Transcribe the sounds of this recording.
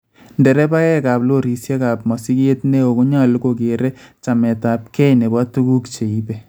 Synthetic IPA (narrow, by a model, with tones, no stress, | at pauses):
ndɛ˨ɾɛ˦ba˦kɛ˦kaː˨plo˦ɾi˨sja˦ka˨p̚ma˨si˦ke˦tne˦o˨ko˦ɲa˦˨lko˨ke˨ɾɛ˦t͡ʃa˨mɛ˨ta˨p̚kɛ˦ne˨ba˦tu˦ɡu˦kt͡ʃe˨i˦bɛ˨